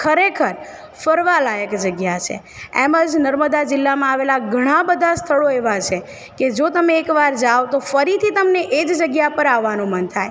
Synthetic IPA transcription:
kʰəɾekʰəɾ | fəɾʋalajəkd͡ʒəɡjat͡ʃʰḛ | eməd͡ʒnəɾməd̪ad͡ʒɪlːamãaʋelaɡʱəɽ̃ãbəd̪ʱast̪ʰəɭoeʋat͡ʃʰe | ked͡ʒot̪əmeːkʋaɾd͡ʒaʋot̪ofəɾit̪ʰit̪əmneʔed͡ʒd͡ʒəɡjapəɾaʋːanũmənt̪ʰaj

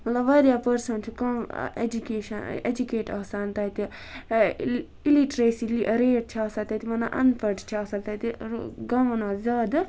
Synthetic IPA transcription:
mɐt̪lɐbʋɐɾjaːpɐɾsɐnt͡ʃʰukɐm̰ḛd͡ʒukeːʃɐnḛd͡ʒukeːʈaːsaːnt̪aːit̪i | iliʈɾeːsiliɾeːʈ̚t͡ʃʰaːsɐt̪at̪imɐna̰ʔɐ̰npɐʈt͡ʃʰaːsɐk̚t̪at̪iɡɐmɐnaːzʲaːd̪

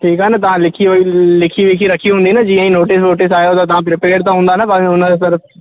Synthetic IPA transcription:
ʈʰiːkɦɛːnat̪əãːlɪkʰiːoilɪkʰiːʋɪkʰiːɾəkʰiːɦʊ̃nd̪iːnaːd͡ʒiãːĩːnoːʈɪsnoːʈɪsaːjot̪ãt̪ɐãːpɾɪpeːɾt̪ãːɦʊ̃nd̪aːnaːpaʊnãːd̪asəɾf

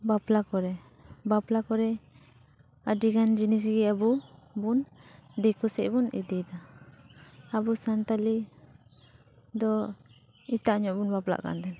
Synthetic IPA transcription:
baplakɔɾɛ | baplakɔɾɛ | adiɡand͡ʒinis̬ɡiabubund̪ɛkusɛʔbunḭd̪id̪a | abusant̪ali | d̪ɔ | it̪aʔɲɔʔbunbapla̰ʔka̰nt̪ɛn

